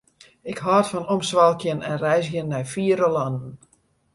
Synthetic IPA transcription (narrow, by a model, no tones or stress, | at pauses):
ɪkɦɔːtfɔnɔmsʋalˠkjənɛnrɛjsjənːɛjfiəɾəlɑnən̩